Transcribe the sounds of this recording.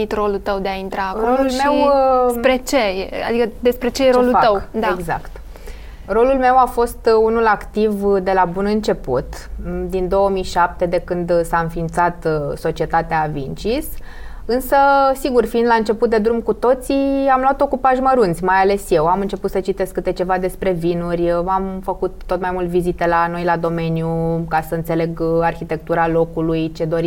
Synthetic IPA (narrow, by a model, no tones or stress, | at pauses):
it̪ro̞lult̪əwd̪e̞aint̪ɾaolulmewɾet͡ʃea̰d̪ikəd̪e̞spɾet͡ʃejeɾolut̪əwd̪aeɡza̰kt̪ | ro̞lulme̞wafo̞st̪unulakt̪ivd̪e̞labunɨnt͡ʃe̞pṵt̪d̪ind̪o̞wəmijʃap̚t̪e̞d̪e̞kɨnd̪saɨnfint̪sat̪so̞t͡ʃie̞t̪at̪eavint͡ʃis | ɨnsəsiɡurfiːnd̪laɨnt͡ʃe̞put̪̚d̪e̞d̪ɾumkut̪o̞t̪siamlat̪o̞kupaʒməɾunt̪sʲmajale̞sje̞wamɨnt͡ʃe̞put̪sət͡ʃit̪e̞skːɨt̪et͡ʃe̞vad̪e̞spɾe̞vinurʲamfəkut̪ːo̞t̪majmult̪vizit̪e̞lano̞jlad̪o̞me̞njukasəɨnt̪se̞le̞ɡarçit̪e̞k̚t̪uɾalo̞kulujt͡ʃe̞d̪o̞ɾi